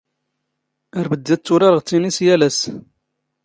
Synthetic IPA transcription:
əɾbəd̪ːæt͡sːʊɾɑɾəʁt͡sːinisjælæs

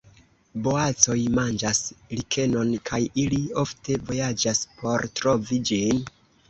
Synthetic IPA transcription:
bo̞at͡so̞jmand͡ʒaslikʰe̞no̞nkʰajilio̞fte̞vo̞jad͡ʒaspo̞ɾtɾo̞vid͡ʒin

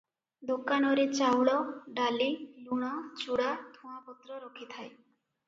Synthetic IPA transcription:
d̪okanɔɾet͡ʃawɭɔɖaliluɽ̃ɔt͡ʃuɽat̪ʰũapɔt̪ɾɔɾɔkʰit̪ʰae

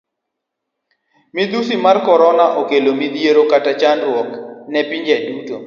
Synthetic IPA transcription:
mid̪usimarkɔɾɔnaʔokelomid̪jeɾokatat͡ʃanɾwɔknɛpiɲd͡ʒɛduto̰

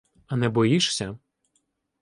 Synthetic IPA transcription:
ɐnɛbɔjiʃsʲɐ

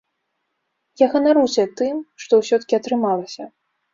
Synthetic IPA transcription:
jaɣɐnaɾusʲɛt̪ɨmʂt̪ɔwsʲɔt̪ɐ̥kʲiɐt̪ɾɨmalˠɐsʲɐ

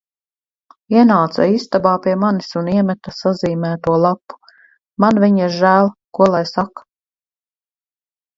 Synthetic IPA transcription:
iɛnaːt̪sa̰ist̪abaːpiɛmanisuniɛmɛt̪asaziːmæːt̪uɔlˠapːu̥ | manviɲiɾʒæːlˠkuɔlˠajsak

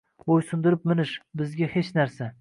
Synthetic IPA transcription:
bojsʊnd̪ɪɾɪp̚mɪnɪʃbɪzɡʲahet͡ʃnaɾsa

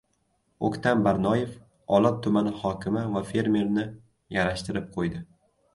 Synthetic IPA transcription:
okʲt̪ʰambaɾnɒje̞f | ɒlat̚t̪ʰːʊmanɪhɒkʲɪmɪvafe̞ɾme̞ɾnɪ | jaɾaʃt̪ɪɾɪp̚qʰojd̪ɪ

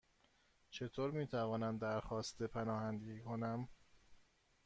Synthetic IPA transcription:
t͡ʃʰe̞t̪ʰoːɾmiːt̪ʰævɒːnæmd̪æɾxɒːst̪ʰepʰænɒːhænd̪eɡiːkʰonæm

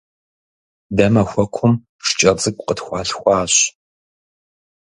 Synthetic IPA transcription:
dɐmɐxʷɔkʷʰʊm | ʂt͡ʃʼɐt͡sʼɨɡʷʼqətxʷɑːɬxʷɑːɕ

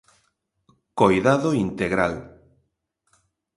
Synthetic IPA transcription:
kojðaðoint̪eɣɾa̰l

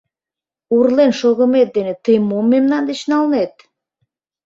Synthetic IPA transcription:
urlenʃoɣə̆met̪̚d̪enet̪əjmomːemnɑnd̪et͡ɕnɑlnet̪̚

